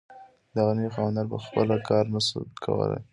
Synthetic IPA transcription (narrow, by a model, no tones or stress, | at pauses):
d̪aɣanəjoxɑwand̪ɑɾpəxpəlakɑɾnasə̰kʰa̰wə̰la̰j